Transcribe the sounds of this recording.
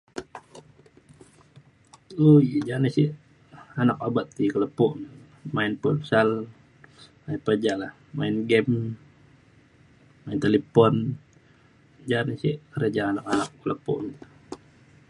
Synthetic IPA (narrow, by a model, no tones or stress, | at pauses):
ojd͡ʒanisi | anakabat̪̚ːikələpɔʔn | maɪnpulsal | mainpəd͡ʒaʔlah | mainɡɛm | maint̪elepɔn | d͡ʒanisikəɾəd͡ʒaanakanakːələpɔ̰ʔn